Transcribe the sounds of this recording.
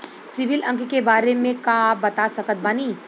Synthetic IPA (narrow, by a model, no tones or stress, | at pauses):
sɪʋɪlʔə̃ŋkkebaːɾemẽkaːbɐt̪asɐkət̪̚baːniː